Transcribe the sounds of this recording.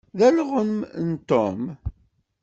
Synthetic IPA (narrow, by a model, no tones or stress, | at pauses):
ðælʁənmnt̪om